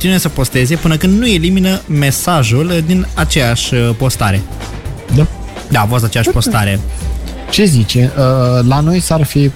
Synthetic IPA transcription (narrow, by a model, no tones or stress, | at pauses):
t̪inujesəpo̞st̪e̞ze̞pɨnəkɨnd̪nue̞liminəme̞saʒuld̪inat͡ʃe̞jaʃʲpo̞st̪aɾe̞d̪a | d̪avos̬t̪at͡ʃe̞jaʃʲpo̞st̪aɾe̞ | t͡ʃe̞zit͡ʃe̞ʔəlano̞jsarfi